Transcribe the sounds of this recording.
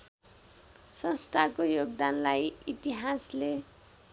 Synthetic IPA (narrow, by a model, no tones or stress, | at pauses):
sʌ̃nst̪ʰakojoɡd̪anlajit̪iɦasle